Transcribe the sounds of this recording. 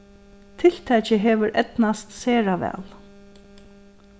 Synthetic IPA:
t̪ʰɪlt̪ʰɛt͡ʃəɦeːʋʏɾʔɛt̪nast̪seːɹaʋɛ̰ːl

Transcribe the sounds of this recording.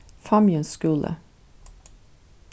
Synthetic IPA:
fɑmjənskʉːlʔə̰

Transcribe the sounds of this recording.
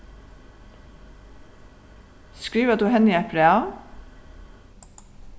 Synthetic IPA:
skɹiːʋəd̪ʉːhɛniɛpʰɾɛɑ

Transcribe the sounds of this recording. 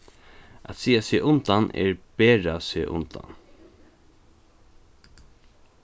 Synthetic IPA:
a̰t̪siːasɪʔʊnt̪anʔɛ̰ɹpeːɹasɪʔʊ̰nt̪a̰n

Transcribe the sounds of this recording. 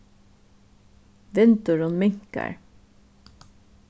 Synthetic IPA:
ʋɛnt̪ʊɹɔnmɪŋka̰ɹ

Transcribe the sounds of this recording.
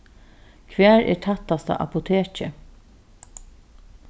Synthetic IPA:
kʰʋæːɹɛ̰ːʈʰat̪ːast̪a̰ʔa̰pʊt̪ʰeːt͡ʃə

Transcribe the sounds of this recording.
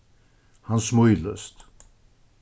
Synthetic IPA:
hansmʊjlœ̰st̪

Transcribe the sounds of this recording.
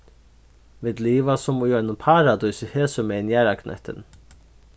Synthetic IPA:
viːd̪liːvasʊmʊjɔjnənpʰaːɾad̪ujsɪheːsʏmɛːɪnjæːɾaknʔɛ̰ht̪ɪ̰n

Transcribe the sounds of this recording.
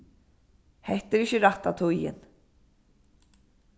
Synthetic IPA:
hɛht̪ɛɾɪçəɾaht̪at̪ʰujɪ̰n

